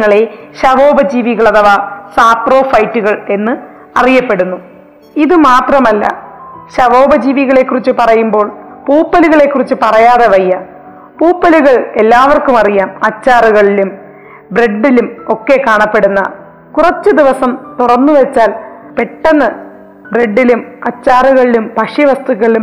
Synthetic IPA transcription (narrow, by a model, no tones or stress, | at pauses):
ŋːɐɭeɕɐʋo̞ːbɐd͡ʑiːʋiɣɐɭɐðɐʋaːsaːpro̞ːfɐjtːuɣɐɭe̞nːɨ | ɐrijɐpːe̞ɽunːu | iðɨmaːt̪rɐmɐlːɐ̰ɕɐʋo̞ːbɐd͡ʑiːʋiɣɐɭekːurit͡ɕːupɐrɐjumbo̞ːɭpuːpːɐluɣɐɭe̞kːurit͡ɕːɨpɐrɐjaːðeʋɐjːɐ | puːpːɐluɣɐɭe̞lːaːʋɐrkumɐrijaːmɐt͡ɕːaːruɣɐɭilum | bre̞ɖːilumo̞kːe̞kaːɳɐpːe̞ɽunːɐ̰ | kurɐt͡ɕːɨd̪iʋɐsɐmt̪urɐnːuʋɐt͡ɕːaːl | pe̞ʈːɐnːɨ | bre̞ɖːilumɐt͡ɕːaːruɣɐɭilumpɐʂiʋɐst̪uɣɐɭilum